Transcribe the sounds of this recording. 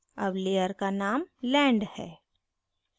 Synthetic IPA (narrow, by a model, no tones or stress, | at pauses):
ɐbleːjəɾkanaːmlɛ̃ːɳɖhɛ̰ː